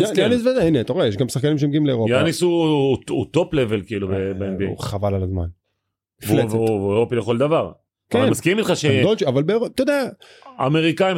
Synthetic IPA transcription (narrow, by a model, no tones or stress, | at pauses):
jajanisvedaineat̪aʁoejeʃɡamsaχkanimʃemɡiimleeʁojanisuut̪o̞pleve̞lkiilubebeenbiḛχavalalazma̰n | vleveveʁo̞pileχo̞ld̪avaʁ | kemaskiʁimitχaʃedolt͡ʃiavalbeːʁot̪od̪eaː | me̞ʁikaim